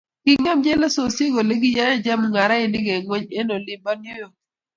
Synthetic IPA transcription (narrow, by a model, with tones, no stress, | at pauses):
kɪ˦ŋa˦md͡ʒɛ˦la˦so˨se˦ɡo˨le˦ɡi˦ja˦ja˦d͡ʒa˦mŋa˨ɾa˦ɪ˦nɪ˦ɡe˨ŋwe˦ɲe˦no˨lɪ˨mba˦njo˦jo˨